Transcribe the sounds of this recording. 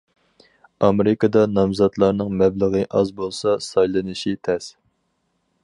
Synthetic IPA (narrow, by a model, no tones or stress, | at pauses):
ɑmeɾɪkɑd̪ɑnɑmzɑt̪lˠɑɾnɨŋmɛbləʁɨʔɑzbolˠsɑsɑjlˠɨnɨʃit̪ʰɛs